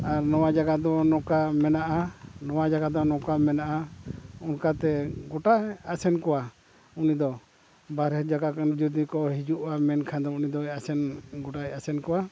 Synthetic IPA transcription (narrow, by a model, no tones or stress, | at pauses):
aɾnɔwad͡ʒaɡad̪ɔnɔkamɛnaʔanɔwad͡ʒaɡad̪ɔnɔkamɛnaʔaunkat̪ɛɡɔʈaasɛnkɔwa | unid̪ɔ | baɾɛd͡ʒaɡakand͡ʒud̪nikɔɦid͡ʒuʔwamɛnkʰand̪ɔunid̪ɔɛasɛnɡɔʈajasɛnkɔwa